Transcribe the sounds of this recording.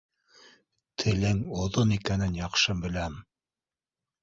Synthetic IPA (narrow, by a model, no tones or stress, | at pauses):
t̪ʰɘ̆lɘŋŏðonikænɘnjɑqʃɤbɘ̆læm